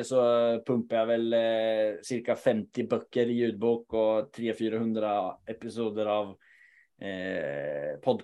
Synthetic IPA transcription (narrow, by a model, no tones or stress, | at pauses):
sɔpʰɵmpajavɛl | sɪɾkafɛmt̪ɪbœkːəɾɪjʉ̟ːd̪̚buːkɔt̪ʰɾeːfyːɾahɵnd̪ɾaɛpɪsuːd̪əɾav | pʰɔd̪